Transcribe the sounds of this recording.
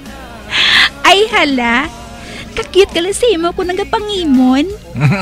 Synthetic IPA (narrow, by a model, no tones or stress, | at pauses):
ʔɐjhɐla | ɐkɐkɪt̪̚kɐlɐsiːmokʊnɐɡɐpɐŋiːmon